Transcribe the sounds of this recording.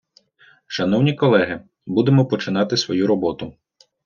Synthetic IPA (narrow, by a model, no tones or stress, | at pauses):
ʃɐnɔwnʲikɔlˠɛɦɪ | bud̪emɔpɔt͡ʃɪnɑt̪ɪsʋɔjuɾɔbɔt̪ʊ